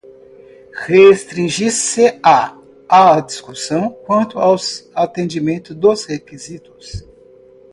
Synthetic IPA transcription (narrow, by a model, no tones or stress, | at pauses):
hest̪ɾĩʒisɪa | ad͡ʒiskusɐ̃w̃kwɐ̃nt̪ʊawzat̪ẽd͡ʒimẽnt̪ʊd̪oshekizit̪ʊ̥s